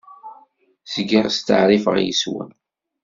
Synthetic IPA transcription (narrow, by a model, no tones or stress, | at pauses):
sɡiʁst̪ə̰ʕɾifə̰ʁjəswə̰n